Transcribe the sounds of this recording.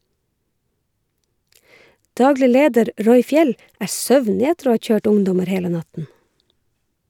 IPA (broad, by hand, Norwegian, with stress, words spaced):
ˈdɑːɡlɪ ˈleːdəɾ ˈɹɔʏ ˈfjɛl ˈʔæːɹ ˈsœʋnɪ ˈætəɾ ˈoː ˈhɑː ˈt͡ʃøːʈ ˈʊŋdɔməɾ ˈheːlə ˈnɑtn̩